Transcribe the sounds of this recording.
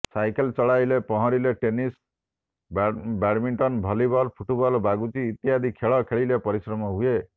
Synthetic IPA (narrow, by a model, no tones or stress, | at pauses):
sajkelt͡ʃɔɭajlepɔɦɔ̃ɾileʈenis | bbaɾmiɳʈɔnbʱɔlibɔlpʰuʈubɔlbaɡut͡ʃiːt̪jad̪ʱikʰeɭɔkʰeɭilepɔɾisɾɔmɔɦue